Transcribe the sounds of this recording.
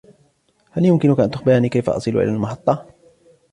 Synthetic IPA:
haljʊmkɪnʊkaʔant̪ʊxbɪɾaːniːkajfa̰ʔɑ̰sˤɨlṵʔɪ̰lalmɑħɑt̪ˤːɑ

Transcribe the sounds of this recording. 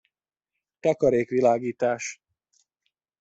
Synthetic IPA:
t̪ɒkɒɾeːkʋilaːɡiːt̪aːʃ

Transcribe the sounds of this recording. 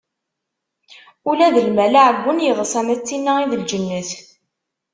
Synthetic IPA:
ulæðəlmælaʕəɡʷːənjəðˤsˤænæt͡sːinːæiðəld͡ʒənːəθ

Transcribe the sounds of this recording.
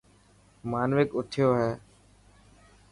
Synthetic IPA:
maːnʋɪkʊt̪ʰɪjoːɦɛː

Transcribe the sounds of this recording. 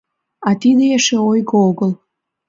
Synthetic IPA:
ɑt̪id̪eeʃeojɣooɣəlˠ

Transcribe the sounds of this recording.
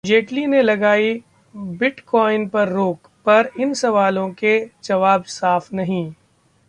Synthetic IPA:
d͡ʒeːʈlinelɐɡaːi | bɪʈkɔːɪnpɐɾːoːk | pɐɾɪnsɐʋaːlõked͡ʒɐʋaːbsaːfnɐɦĩː

